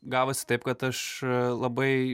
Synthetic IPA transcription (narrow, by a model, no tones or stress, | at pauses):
ɡɑːʋosʲɪ̥t̪ɐɪp̚kɐt̪ɐʃlˠɐbɐɪ